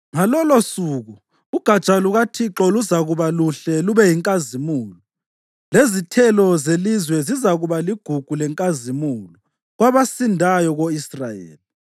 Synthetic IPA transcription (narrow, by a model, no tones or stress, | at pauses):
ŋalɔlosuːɣu | uɡ̥ʱḁt͡ʃʼaluɣatʰiǁɔluzaɣuβaluɬɛluβɛjiŋkʼazimuːlɔ | lezitʰɛlɔzelizwɛzizaɣuβaliɡ̥ʱuɡ̥ʱulɛŋkʼazimuːlɔ | ɣwaβasindʱajɔɣoisra̰jḛːli